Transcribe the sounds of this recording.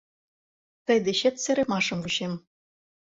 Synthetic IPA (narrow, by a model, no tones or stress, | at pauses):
t̪ɤ̆jd̪ĕɕĕt̪sɘ̆ɾʲĕmɑʂɤ̆mvuɕem